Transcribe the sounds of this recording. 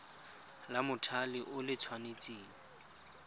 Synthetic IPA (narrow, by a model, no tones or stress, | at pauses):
lamʊtʰalɪʔʊlɪt͡sʰwanet͡sʼiːl̩